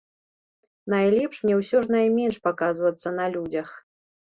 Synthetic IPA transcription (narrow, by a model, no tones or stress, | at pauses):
najlʲɛpʂmnʲɛwsʲɔʐnajmʲɛnʂpakazvɐt̪sːɐn̪ɐlʲud͡zʲɐx